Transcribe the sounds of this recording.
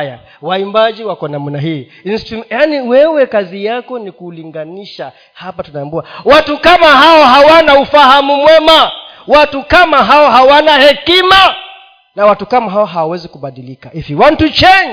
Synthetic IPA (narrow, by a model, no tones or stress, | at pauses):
ja̰ | waimbaʄiwakɔnam̩naɦiː | instimjaniwɛwɛkazijakɔnikuliŋɡaniʃa | hapatunaːmbuawatukamaɦaɔɦawanaufahamumwɛma | watukamaɦaɔɦawanahɛkima | nawatukamaɦaɔɦawawɛzikuɓaɗilikaiviwan̩tut͡ʃɛɲ